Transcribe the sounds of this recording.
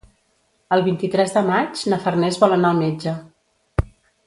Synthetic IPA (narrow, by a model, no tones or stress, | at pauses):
əlˠβint̪it̪ɾɛzðəmad͡ʒnəfərnɛzβɔlənaəlˠmed͡ʒə